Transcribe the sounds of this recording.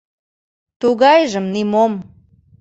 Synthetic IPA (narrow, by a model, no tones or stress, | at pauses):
t̪uɣɑjʒə̆mnimom